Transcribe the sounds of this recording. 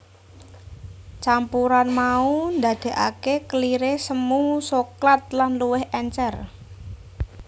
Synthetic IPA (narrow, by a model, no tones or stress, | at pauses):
t͡ʃampuɾanmaund̪a̤d̪̥e̤ʔa̰kekəliɾesəmusoklat̪̚lanluwɪhʔɛɲt͡ʃɛr